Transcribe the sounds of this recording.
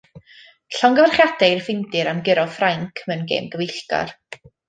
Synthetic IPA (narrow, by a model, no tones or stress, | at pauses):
ɬɔŋɡəvarχjadɛɪrfɪndɪɾamɡɪɾɔfraŋkʰmɛnɡḛːmɡəvɪɬɡa̰r